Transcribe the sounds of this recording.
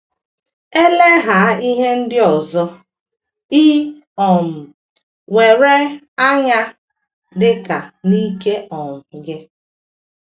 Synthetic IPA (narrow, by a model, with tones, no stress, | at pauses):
e˦le˦ɦa˨˦i˦ɦe˦n̩˦dɪ˦ɔ˨zɔ˦ | iː˦ | ɔ˨m̩˨ | we˨ɾe˦ | a˦ɲa˦ | dɪ˦ka˨ni˦ke˦ʔɔ˨m̩˨ɡɪ˦